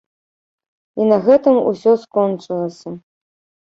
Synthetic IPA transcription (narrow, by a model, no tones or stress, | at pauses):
inɐɣɛt̪ɨmṵsʲɔskɔnt͡ʂɨlˠɐsʲɐ